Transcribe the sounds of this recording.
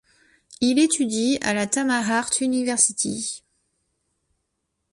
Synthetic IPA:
ilet̪ʰyd̪ia̰lat̪amaʁaʁt̪ynivɛʁsit̪ʰḭ

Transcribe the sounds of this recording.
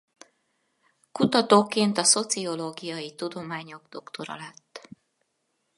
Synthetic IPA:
kut̪ɒt̪oːkeːnt̪ɒso̞t̪sio̞loːɡijɒjit̪ud̪o̞maːɲo̞ɡd̪̥o̞kt̪o̞ɾɒ̰lɛt̪ː

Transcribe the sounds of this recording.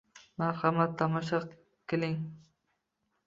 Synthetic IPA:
maɾhamat̪ʰːamɑʃɑ | kʲʰːɪlɪŋ

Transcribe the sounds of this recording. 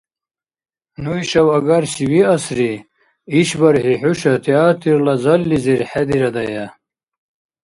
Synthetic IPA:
nuiɕɐwɐɡɐɾɕiwiɐsɾi | iɕbɐɾhiħuɕɐt̪ʰiaːt̪iɾlɐzɐlːiziɾħad̪iɾɐd̪ɐjɐ

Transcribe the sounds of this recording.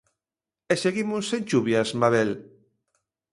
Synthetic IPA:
eseɣimosːent͡ʃuβjasmaβel

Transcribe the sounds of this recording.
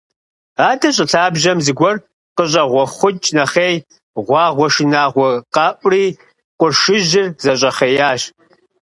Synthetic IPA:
aːdʰɐɕʼɪɬʰaːbʒɐmzɨɡʷɔr | qəɕ̬ʼɐʁʷɔχʷʊt͡ʃʼnɐχeːj | ʁʷɑːʁʷɔʃɪnaːʁʷɔqɑːʔʷʼriː | qʷʊrʃɨʒɪrzɐɕʼɐχejaːʃ

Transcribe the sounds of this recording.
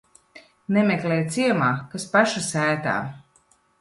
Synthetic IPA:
nɛmeklɛjt̪siɛmaːkaspaʃasæːt̪a̰ː

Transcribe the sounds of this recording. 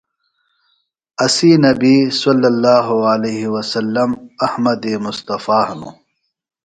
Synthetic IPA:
ɐsiːnɐbiːsɐlːɐlːaːɦualeːɦiwɐsɐlːɐmɐhmɐd̪eːmʊst̪ɐfaːhɐnṵ

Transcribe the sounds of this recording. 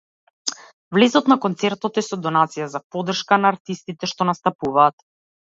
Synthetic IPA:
vlɛzɔt̪nakɔnt̪sɛɾt̪ɔt̪ɛsɔd̪ɔnat̪sijazapɔd̪r̩ʃkanaːɾt̪ist̪it̪ɛʃt̪ɔnast̪apuvaːt̪

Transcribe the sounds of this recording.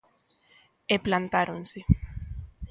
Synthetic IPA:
eplant̪aɾonse

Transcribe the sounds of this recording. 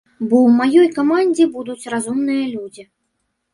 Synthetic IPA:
bɔwmajɔjkamanʲd͡zʲibud̪ut͡sʲrazumnɨjɐlʲud͡zʲi

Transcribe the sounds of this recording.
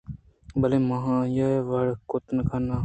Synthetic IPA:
bəleːməɦãːjaʋəɽkot̪nəkʰanaː

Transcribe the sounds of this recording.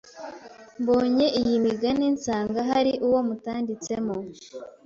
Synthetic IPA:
mbo̞ːɲe̞ʔijimiɡaninsaːŋɡaɦaɾiʔuwo̞mutaːndit͡se̞mo

